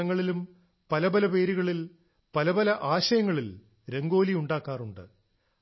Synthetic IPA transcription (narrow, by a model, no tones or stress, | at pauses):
ɐŋːɐɭilum | pɐlɐbɐlɐpe̞ːɾuɣɐɭil | pɐlɐbɐlɐʔaːɕɐjɐŋːɐɭil | ɾe̞ŋɡo̞ːlijuɳɖaːkːaːruɳɖɨ̰